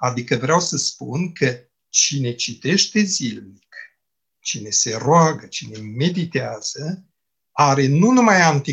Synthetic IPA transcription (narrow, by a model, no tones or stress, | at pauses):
ad̪ikəvɾeawsəspunkʰə | t͡ʃine̞t͡ʃit̪e̞ʃt̪e̞zilmik | t͡ʃine̞se̞roaɡət͡ʃine̞me̞d̪it̪eaz̥ə | aɾe̞nunumajant̪i